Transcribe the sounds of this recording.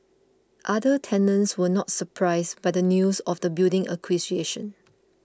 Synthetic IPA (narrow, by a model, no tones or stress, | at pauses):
ʔadətʰɛ̃nə̃nswənɔtsəpʰɹaɪsbajdənjusɔfdəbildɪ̃ŋʔə̰kʰwisieʃə̃n